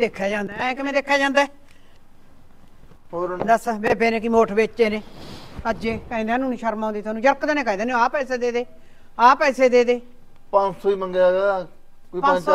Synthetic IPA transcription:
d̪eːkʰːaːd͡ʒãːnd̪aːɛ̃kɪmẽːd̪eːkʰːaːd͡ʒãːnd̪aː | oːɾd̪əsbeːbeːneːkɪmoːʈʰbeːt͡ʃːeːnẽːəd͡ʒeːkaĩːd̪ẽːnũːniʃəɾmãːnd̪iːt̪ʰoaːnũːd͡ʒəɾkd̪eːnẽːkaĩd̪eːneaːpɛːseːd̪eːd̪eː | aːpɛːseːd̪eːd̪eː | pãːsoiːməŋɡɡaː | koiːpã

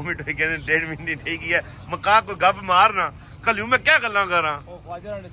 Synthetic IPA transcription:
miʈoːiːkɛ̃nẽd̪eːɽʋɪ̃nd̪iːtʰiːkiɛː | məkaːkoɡəbmaːɾnãː | kəljũːmɛ̃ːkɛːɡəlːãːkəɾãː

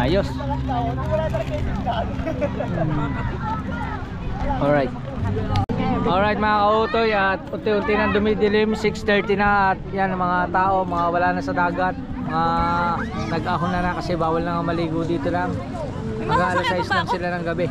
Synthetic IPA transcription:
aːjo̞s | m | ʔolɹajt̪̚ | ʔolɹajt̪̚mɐŋakɐʔuːt̪o̞jɐt̪̚ʔʊnt̪ɪʔʊnt̪ɪjnɐŋd̪ʊmɪd̪ɪlɪmsɪkst̪ɛɹt̪ɪnɐʔɐt̪̚janmɐŋat̪aːʔo̞mɐŋawɐlaːnɐsɐd̪aːɡɐt̪̚mɐŋa | nɐɡʔaɦʊnːɐnakɐsɛbaːwɐlnɐŋamɐliːɡod̪iːt̪olaŋ | nɐɡaːʔɐlɐsajslɐŋsɪlanɐŋɡɐbɛ

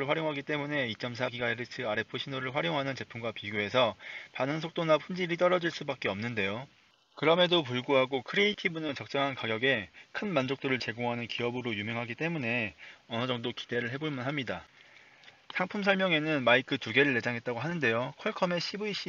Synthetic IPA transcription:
ɯɭɸwaɾjoŋɦaɡit͈e̞mune̞it͡ɕ͈ʌms̬ʰaɡiɡaeɾɯtʰɯaɾe̞pʰoɕʰinoɾɯɭɸwaɾjoŋɦanɯnt͡ɕe̞pʰumɡwapiɡjoe̞sʰʌpanɯŋs̬ʰok̚t͈onapɸʰund͡ʑiɾit̬͈ʌɾʌd͡ʑiɭs͈ubak͈eʌmnɯnde̞jo | kɯɾʌme̞dop̬uɭɡuɦaɡokʰɯɾeitʰibunɯnt͡ɕʌk̚t͡ɕ͈ʌŋɦankaɡjʌɡe̞kʰɯnmand͡ʑok̚t͈oɾɯɭt͡ɕe̞ɡoŋɦanɯnkiʌbɯɾojumjʌŋɦaɡit͈e̞mune̞ʌnɯd͡ʑʌŋdoki̥d̥e̞ɾɯɭɦe̞boɭmɯnɦamɲida | sʰaŋpʰumsʰʌɭmjʌŋe̞nɯnmaikʰɯtuɡe̞ɾɯɭːe̞d͡ʑaŋɦe̞t̚t͈aɡoɦanɯnde̞jokʰʌɭkʰʌme̞ɕʰibuiɕ͈i

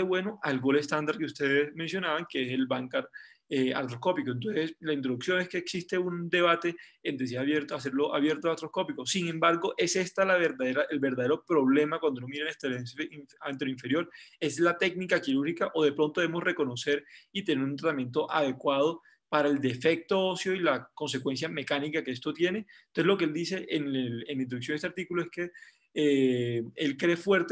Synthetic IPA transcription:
eβwe̞no̞ʔalɡo̞lest̪and̪aɾ̚keust̪e̞ðesmẽ̞ns̬jo̞naβaŋkeese̞lbaŋkaɾ | ea̰ɾt̪ɾo̞sko̞pikoent̪o̞nseslaint̪ɾoðuksjo̞ne̞ske̞ːksist̪e̞und̪e̞β̞at̪e̞ːnd̪ɾes̬iaβjeɾt̪aseɾlo̞ʔaβje̞ɾt̪oaɾt̪ɾosko̞piko̞siŋẽmbaɾɣo̞ʔe̞se̞st̪alaβeɾðaðeɾaʔelbe̞ɾðaðe̞ɾopɾo̞βle̞makwand̪ono̞miɾanant̪elant̪eloiɱfe̞ɾjo̞ɾe̞slat̪e̞ɡnikakiɾuɾhikaʔo̞ð̞e̞pɾo̞nt̪oeemo̞sre̞ko̞no̞se̞ɾit̪ene̞ɾunt̪̬ɾat̪amjẽ̞nt̪o̞ʔað̞e̞kwað̞o | paɾae̞ld̪e̞fe̞k̚t̪oosjo̞ilako̞nse̞kwe̞ns̬jame̞kanikakeest̪o̞t̪je̞nenose̞lokeeld̪ise̞ʔenelenlaint̪ɾðuks̬onest̪eaɾt̪ikuloe̞ske | e | e̞lkɾe̞fwe̞ɾt̪

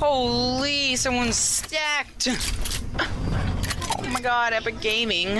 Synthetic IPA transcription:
hoʊlˠisʌ̃mwʌ̃nz̥stæk̚t | oʊmaɪɡɑɾɛpəɡẽɪ̃mɪ̃ŋ

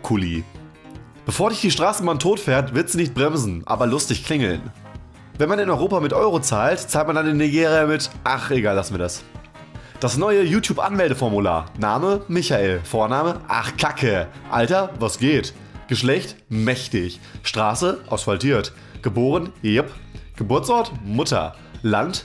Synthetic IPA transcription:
kʰʊliː | b̥əfoːɐdɪçd̥iːʃtʁ̥aːsəmaːntʰoːtfɛːɐtv̥ɪɐtz̥iːnɪçt̚b̥ʁɛmzn̩ʔa̰ːbɐlʊstɪçkʰl̥ɪŋl̩n | vɛnmanɪnɔʏʁoːpamɪtʔɔʏʁot͡saːltt͡saːlt̚mandandeːniɡeːʁijamɪtʔaχeɡaːlvasnmviːɐdas | d̥asnɔʏəjuːtʰjuːpʔa̰nmɛldəfɔɐmula̰ːɐnaːməmɪçaʔeːlfoːɐnaːməʔa̰χkʰakʰəʔaltɐvosɡ̥eːt | ɡ̥əʃlɛçtmɛçtɪç | ʃtʁ̥aːsəʔa̰ʊsfaltiːɐt | ɡ̥əboːʁ̞ənɪpɡ̥əbʊɐt͡sʔɔɐtmʊtɐ̰ | lant

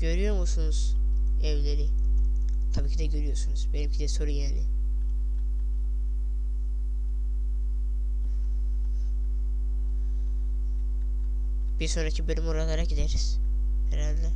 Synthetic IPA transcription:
ɟøɾyjoɾmusunuz̥ | evlʲeɾi | t̪ʰabiːcʰid̪ɛɟøɾyjoɾsunuz̥benimcʰid̪iso̞ɾujaːnḭ | b̥iɾso̞nɾacʰibølymuɾaɡ̪aɾaɟid̪eɾiz̥ | hɛɾalʲd̪ɛ

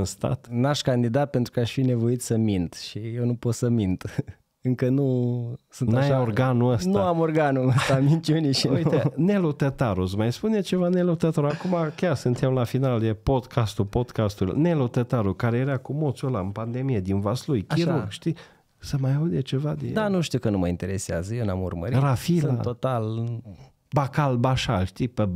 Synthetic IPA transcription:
ɨnst̪a̰t̪naʃkand̪id̪at̪̚pe̞nt̪ɾukəaʃfine̞vo̞it̪səmint̪ʃijewnupo̞t̪səmind̪ | ɨŋkənusɨnnajorɡanuəstnuaamorɡanuəst̪amint͡ʃuniʃinelut̪ət̪aɾusmajspunet͡ʃe̞vanelut̪ət̪oɾakumakʲjarsɨnt̪emlafinald̪epo̞d̪kʰast̪upod̪kast̪ulne̞lot̪ət̪aɾukaɾejeɾakumot̪solaɨnpand̪e̞mijed̪invaslujkiɾoɡʃt̪i | səmajaud̪et͡ʃe̞vad̪ed̪anuʃt̪iukənuməint̪eɾeseazəjewnamṵrməɾiɾafilna̰ot̪al | bakalbaʃa̰lʃt̪ipe

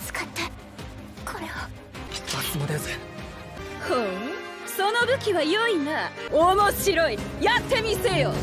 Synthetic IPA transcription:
t͡sɨ̥kat̪ːa | kʰo̞ɾeo̥ | at͡sɨmod̪ese | ho | so̞no̞bɯ̟kʲiβajoinaomoɕiɾo̞ijat̪ːe̞mʲise̞ːjo

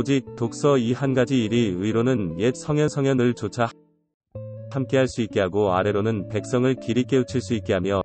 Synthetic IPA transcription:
d͡ʑik̚tok̚s͈ʌihanɡad͡ʑiːɾiɯiɾonɯnjet̚sʰʌŋjʌnsʰʌŋjʌnɯɭt͡ɕot͡ɕʰa | hamk͈e̞ɦaɭs͈uik͈e̞ɦaɡoaɾe̞ɾonɯnpe̞k̚s͈ʌŋɯɭkiɾik͈e̞ut͡ɕʰiɭs͈uit̚k͈e̞ɦamjʌ

